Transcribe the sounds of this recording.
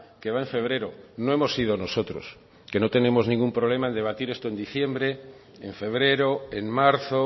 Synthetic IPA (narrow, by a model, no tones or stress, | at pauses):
keβaeɱfeβ̞ɾeɾonõemosið̞onosot̪ɾos | kenot̪e̞nemoznĩŋɡumpɾoβ̞lemaend̪eβ̞at̪iɾest̪oend̪iθjembɾeː | ɱfeβ̞ɾeɾoeŋmaɾθo